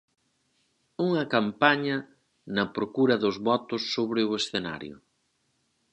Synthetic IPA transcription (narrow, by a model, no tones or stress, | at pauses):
uŋɐkampaɲɐ | nɐpɾokuɾɐðʊzβɔt̪ʊsːoβɾɪʊesθena̰ɾjʊ̰